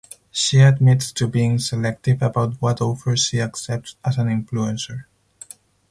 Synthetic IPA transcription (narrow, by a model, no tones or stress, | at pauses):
ʃiɨd̚mɪtstʰɨbiɪ̃ŋsɛlɛk̚tɪvəbawt̚wɔtoʊvə˞ʃiaksɛp̚tsazæ̃nɪ̃ɱfluɛ̃nsə˞